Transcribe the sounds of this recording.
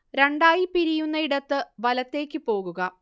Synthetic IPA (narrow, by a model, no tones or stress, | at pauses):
ɾe̞ɳɖaːjipiɾijunːɐiɽɐt̪ːɨʋɐlɐt̪ːe̞ːkʲːɨpo̞ːɣuɣɐ